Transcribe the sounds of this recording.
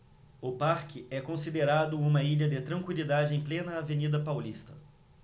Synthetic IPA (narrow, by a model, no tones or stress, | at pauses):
ʊpaɾkɪɛkõsid̪eɾad̪ʊũmɐiʎɐd̪ɪt̪ɾɐ̃ŋkwilid̪ad͡ʒɪẽj̃plẽnɐːvenid̪ɐpawlist̪ɐ̥